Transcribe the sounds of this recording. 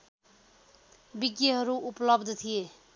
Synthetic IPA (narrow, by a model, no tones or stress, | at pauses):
biɡjeɦʌɾuʔuplʌbd̪ʱt̪ʰije